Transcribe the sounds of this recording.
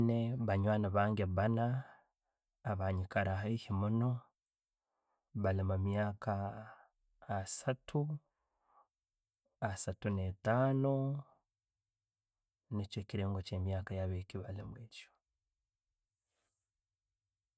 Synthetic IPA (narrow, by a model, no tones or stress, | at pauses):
neβaɲwaːnaβaːŋɡeβana | βaɲikaɾaɦaihimuno̞ | βalimumjaːka | satʰu | asatunetaːno | neco̞ciɾe̞ːŋɡoce̞ːmjaːkajaβeciβalimweːco̥